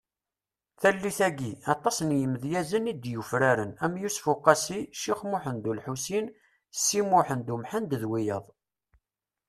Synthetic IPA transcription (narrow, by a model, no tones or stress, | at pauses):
θælːiθæɡiɑt̪ˤːɑsnjəmðjæzənid̪jufɾaɾənæmjusfuqːɑsiʃiχmʊħənd̪ulħusin | sːimʊħənd̪umħənd̪əðwijəðˤ